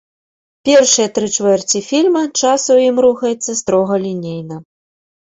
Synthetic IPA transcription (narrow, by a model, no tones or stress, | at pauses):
pʲɛrʂɨjɐt̪ɾɨt͡ʂvɛrt͡sʲifʲilʲmɐt͡ʂasujimɾuxɐjɛt̪sːɐst̪ɾɔɣɐlʲinʲejnɐ